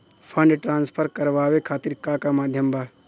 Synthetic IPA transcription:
pʰɐ̃ɳɖʈɾãːnspʰəɾkɐɾʋaːʋekʰaːt̪iɾkaːkamaːd̪ʱjəmbʱaː

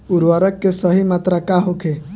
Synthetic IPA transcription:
ʊɾʋaɾəkːesəɦimaːt̪ɾakaɦokʰe

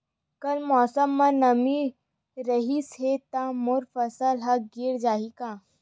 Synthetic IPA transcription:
kɐlmɔːsəmːãnɐmi | ɾɐɦishet̪ãmʊɾfɐsəlɦɐk̚ɡɪɾd͡ʒaːɦikãː

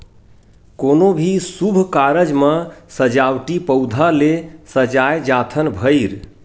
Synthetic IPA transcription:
konobʱisubʱkaɾəd͡ʒməsəd͡ʒawʈipəwd̪ʱalesəd͡ʒajd͡ʒat̪ʰənbʱəɪɾ

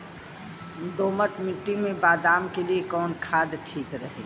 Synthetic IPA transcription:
d̪oːməʈmɪʈːimẽbaːd̪aːmkeliekɔːnkʰaːd̪ʈʰiːkɾəɦḛ

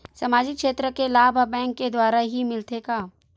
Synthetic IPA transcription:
sɐmaːd͡ʒɪkʃeːt̪ɾəkelaːbʱbɛ̃ːŋkːed̪waːɾaɦimɪlt̪ekaː

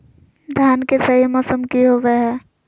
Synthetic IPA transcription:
d̪ʱjaːnkesəmasəmkiɦoʋeɦɛː

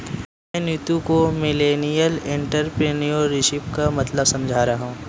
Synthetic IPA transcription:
mɛ̃njut̪ukomɪleːnijəlɪ̃ɳʈəɾpɾeːnioɾɪʃɪpkamɐt̪ləbsɐ̃md͡ʒʱaɾaɦũː

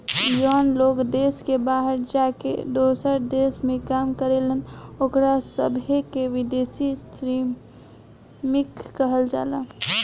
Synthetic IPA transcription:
jɔːnloːkd̪eːskebaːɦəɾd͡ʒakḛd̪osəɾd̪esmẽkaːmkəɾelənokɾasəbʱekeʋid̪esisɾi | mikːəɦəld͡ʒa̰ːla

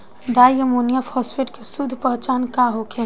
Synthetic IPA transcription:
d̪ajəmonijapʰɔspeʈkesud̪ʱːpəɦt͡ʃankaɦokʰe

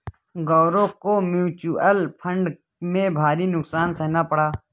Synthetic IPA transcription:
ɡɔːɾõːkoːmjuːt͡ʃuəlpʰəɳɖ | mẽːbʱaːɾiːnʊksaːnsəɦnaːpəɽaː

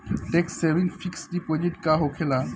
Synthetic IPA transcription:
ʈeksebiŋfʰiksɖipod͡ʑiʈkaɦokʰela

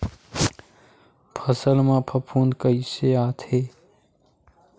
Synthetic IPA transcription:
pʰəsəlmãpʰɐpʰuːnkəiseaːt̪ʰeː

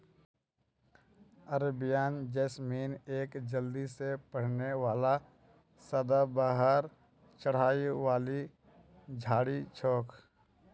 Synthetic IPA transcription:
əɾbɪjaːnd͡ʒɛːsmiːneːkd͡ʒəld̪isepəɽ̤newaːla | səd̪abaːɦəɾ | t͡ʃəɽ̤aːiwaːli | d͡ʒʱaːɽit͡ʃʰoːkʰ

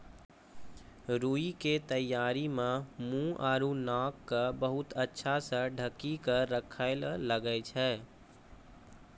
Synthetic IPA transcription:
ɾuiket̪əjːaːɾimemũʔaːɾunakːəbəɦʊt̪ətːʃʰasə̃ɖʱəkːikəɾəkʰaɪlləɡɛt͡ʃʰɛ

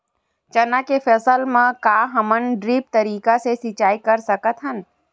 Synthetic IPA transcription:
t͡ʃɐnakefʰɛːsəlmãkaːɦɐmənɖɾiːp̚t̪ɐɾiːkasesɪt͡ʃaːikɐɾsɐkət̪ɦən

